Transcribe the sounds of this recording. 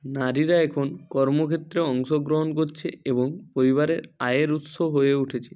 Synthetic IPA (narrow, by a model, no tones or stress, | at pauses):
naɾiɾaɛkʰonkɔɾmokʰet̪ːɾeɔŋʃɔɡɾoɦonk̬oɾt͡ʃʰeeboŋpoɾiβaɾeɾajeɾut̪soɦojeuʈʰet͡ɕʰe̥